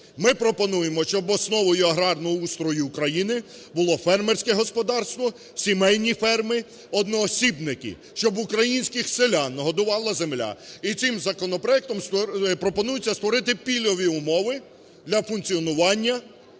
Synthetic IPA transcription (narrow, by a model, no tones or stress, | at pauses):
mɪpɾɔpɔnujemɔʃt͡ʃɔbɔsnɔʋɔjʊɐɦɾɑrnɔjiust̪ɾɔjʊːkɾɐjinɪ | bʊlˠɔfɛrmerʲsʲkɛɦɔspɔd̪ɑrst̪ʋɔ | sʲimɛjʲnʲifɛrmɪ | ɔd̪nɔːsʲibnɪkɪ̰ | ʃt͡ʃɔbʊkɾɐjinʲsʲkɪxsɪlʲanːɔɦɔd̪ʊʋɑlˠɐzemlʲa̰it̪sɪmzɐkɔnɔpɾɔɛk̚t̪ɔmspɾɔpɔnujʊt͡sʲːɐst̪ʋɔɾɪt̪ɪpʲilʲɔʋʲiʊmɔʋɪ | d̪lʲɐfʊnkt͡sʲiɔnʊʋɑnʲːɐ